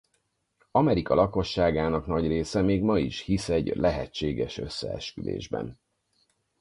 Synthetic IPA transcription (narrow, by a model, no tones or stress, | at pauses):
ɒmɛɾikɒlɒko̞ʃːaːɡaːnɒknɒɟreːsɛmeːɡmɒiʃhisɛɟlʔɛɦɛt͡ʃːeːɡɛʃø̞sːɛ̰ɛ̰ʃkylḛːʒbɛ̰n